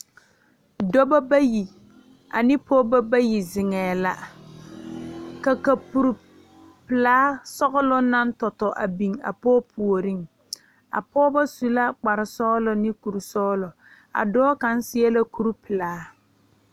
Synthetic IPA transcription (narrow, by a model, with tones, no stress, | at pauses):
dɔ˦ba˦ba˦ji˨ | a̰˨nɪ˦pɔː˦ba˦ba˦ji˨zɪ˨ŋɛː˨la˦ | ka˨ka˨pu˨ɾ | pɪ˨laː˦sɔ˦ɣʊ˦lɔ˦na˦n˦tɔ˨tɔ˨ʔa˨bi˨ŋa̰˨pɔː˦pʰu˨o˨ɾi˦ŋ | a̰˨pɔː˦ba˦su˨la˦k͡pa˨ɾɪ˨sɔː˦lɔ˨nɪ˦ku˨ɾsɔː˦lɔ˨ | a̰˨dɔː˦ka˨n˦sɪ˦ɛ˦la˦ku˦ɾpɪ˨laː˨˦